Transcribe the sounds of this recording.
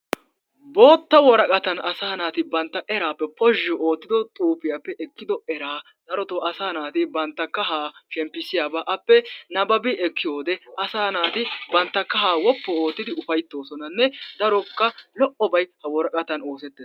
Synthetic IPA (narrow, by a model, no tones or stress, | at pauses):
bo̞ːt̪ːɐwɔɾɐkʼɐt̪ɐnɐsaːnaːt̪ɪbɐnt̪ːɐʔɛɾaːpːɛpɔʒːɔoːt̪ːɪd̪ɔt̪ʼuːpɪjapːɛʔɛkːɪd̪ɔɛɾaː | d̪̥ɐɾɔt̪oʔɐsaːnaːt̪ɪbɐnt̪ːɐkːɐɦaːʃɛmpːɪsɪjaːbaʔɐpːɛnɐbɐbɪɛkːɪjoːd̪ɛʔɐsaːnaːt̪ɪbɐnt̪ːɐkːɐɦaːwɔpːɔoːt̪ːɪd̪ɪʊfɐjt̪ːo̞ːsɔnɐnːɛd̪ɐɾɔkːɐlɔʔɔbɐjhɐwɔɾɐkʼɐt̪ɐno̞ːsɛt̪ːe